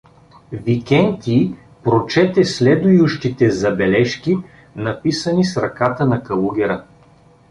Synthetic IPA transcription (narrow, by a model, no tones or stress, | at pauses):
vikʲɛnt̪i | pɾot͡ʃɛt̪ɛslɛd̪ʊjʊʃt̪it̪ɛzɐbɛlɛʃkʲi | nɐpisənisɾɐkat̪ənɐkɐlˠuɡʲɛɾə